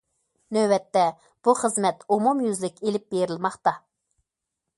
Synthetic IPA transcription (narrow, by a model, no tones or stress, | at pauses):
nøwɛt̪ːɛ | b̥uχəzmɛt̪umumjyzlɪkʲelɪp̚beɾɪlmɑχt̪ɑ